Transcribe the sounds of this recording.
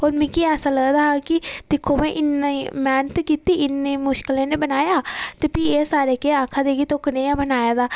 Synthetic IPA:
ɦoːɾmĩːkiɛːsaːləɡd̪aːkɪd̪̥ɪkʰːoːmẽːʔɪnːaimɛːnət̪kiːt̪iːɪnːeːmʊʃkɪlẽːneːbənaːjaːt̪eːpiːeːsaːɾeːkeaːkʰaːd̪eːɡiːt̪okənẽːãːbənaːjaːd̪aː

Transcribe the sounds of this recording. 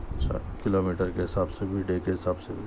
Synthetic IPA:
t͡ʃʰa̰kɪloːmiːʈəɾkeɦɪsaːbsebʱiɖeːkeɦɪsaːbsebʱi

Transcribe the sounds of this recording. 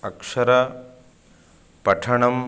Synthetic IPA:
ɐkʂɐɾɐ | pɐʈʰɐɳɐm

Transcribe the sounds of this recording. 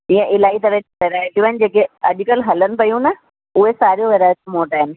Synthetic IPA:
iə̃ʔɪlaːit̪ɐɾəkeɾaːɪʈijũʋaːɪnɪd͡ʑeːkeɐʄʊkəlɦɐlənɪ̆pɐjũnɐ | ʊɦesaːɾijoʋeɾaːɪʈmoːʈaːɦɪnɪ̆

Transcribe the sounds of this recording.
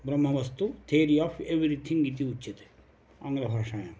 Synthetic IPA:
bɾɐmːɐʋɐst̪ut̪ʰeːɾiaːfeʋɾit̪ʰĩŋɡit̪̬iut͡ʃːt͡ʃːit̪e̥ | ɐŋɡɾɐbʱaːʂaːjɐm

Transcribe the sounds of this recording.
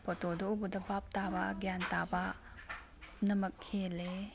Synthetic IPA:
pɔtodɔubudɐbap̚tabaɡjantaba | nɐmɐk̚hele

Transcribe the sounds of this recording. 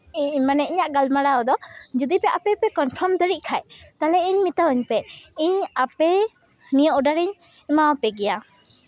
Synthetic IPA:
iɲmanɛiɲaʔɡalmaɽaɔd̪ɔd͡ʒud̪ipɛapɛpɛkɔnpʰɔɾmd̪əɾic̚ˀkʰajt̪alɛiɲmit̪auɲpɛiɲapɛ | nijɔʔɔɖaɾiɲmawapɛɡɛja

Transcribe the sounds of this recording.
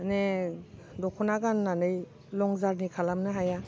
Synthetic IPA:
ne | dɔkʰɔnaɡanːanɯj | lɔŋzaɾnikʰalamnɯɦaja

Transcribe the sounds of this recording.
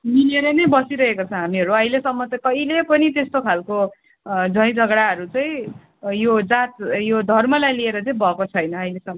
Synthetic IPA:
mineɾenʌjbʌsiɾʌɦekot͡sʰʌ̃ɦamiʌɾuʌilesʌmːʌt͡sʌkʌilepʌnit̪est̪okʰalko | d͡zʱʌ̃j̃d͡zʱʌɡɽaʌɾut͡sʌj̃ | jod͡zat̪jod̪ʱʌrmʌlajlieɾʌt͡sʌĩbʱʌkot͡sʰʌjnʌːjlesʌmːʌ

